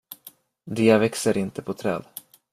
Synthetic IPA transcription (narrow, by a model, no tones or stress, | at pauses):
d̪ɪːavɛksəɾʔɪnt̪əpʰɔt̪ʰɾɛ̰ːd̪